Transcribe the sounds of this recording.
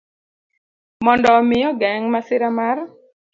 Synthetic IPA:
mɔndɔmɪjɔɡɛŋmasɪɾamar

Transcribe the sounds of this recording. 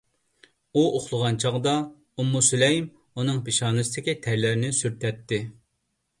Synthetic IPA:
uʔoχlˠəʁɑnt͡ʃʰɑʁd̪ɑ | umːusylɛjim | unɨŋpeʃɑːnɨsɨd̪ɪkʲit̪ʰɛɾlɪɾɪnɪsyɾt̪ʰɛt̪ʰːɪ

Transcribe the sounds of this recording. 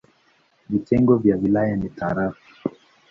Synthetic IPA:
vitɛŋɡɔvjawilajanitaɾafi̥

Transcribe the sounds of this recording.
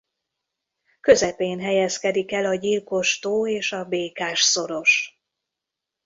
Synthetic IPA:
kø̞zɛpeːnɦɛjɛskɛd̪ikɛlɒɟilko̞ʃt̪oːeːʃɒbeːkaːʃso̞ɾo̞ʃ

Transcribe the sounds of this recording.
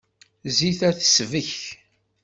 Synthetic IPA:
ziθæθə̥svəç

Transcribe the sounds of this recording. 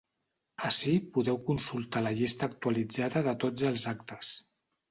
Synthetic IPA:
əsipuðɛwkunsulˠt̪aləʎist̪əːk̚t̪uəlid͡zaðəðət̪od͡zəlˠzakt̪əs

